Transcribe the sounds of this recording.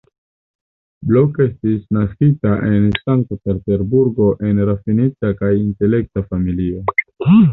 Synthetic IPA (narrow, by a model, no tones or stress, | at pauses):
bloke̞stisnaskitaʔe̞nsaŋk̚tpe̞ɾte̞ɾbuɾɡo̞ʔe̞nɾafinit͡sakajinte̞le̞k̚tafamilio̞